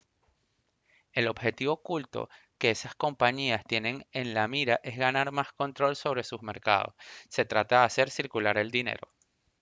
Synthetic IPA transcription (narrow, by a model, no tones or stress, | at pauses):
e̞lo̞bxe̞t̪iβo̞kult̪o̞̰ | ke̞esasko̞mpaɲiast̪je̞ne̞ŋe̞nlamiɾaʔe̞zɣanaɾmasko̞nt̪ɾo̞lso̞βɾe̞suzme̞ɾka̰ð̞o̞̰sːe̞t̪ɾat̪aðease̞ɾsiɾkulaɾe̞ld̪ine̞̰ɾo̞